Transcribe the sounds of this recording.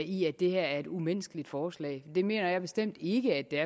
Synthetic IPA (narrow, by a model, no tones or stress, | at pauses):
iædd̥e̝hæɐ̰æɐe̝d̥umen̰sɡ̥əlid̥fɒːslɛ̰ːɪd̥e̝me̝̰ːnɐjɑɪb̥e̝sd̥em̰d̥e̝ɡ̥əæd̥eæɐ